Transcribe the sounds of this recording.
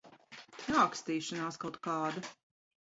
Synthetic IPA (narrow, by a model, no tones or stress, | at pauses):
naːkst̪iːʃanaːskawt̪̚kaːd̪a